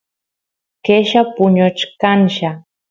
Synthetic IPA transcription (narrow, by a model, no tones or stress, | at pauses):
keʃapʊɲot͡ʃkanʃa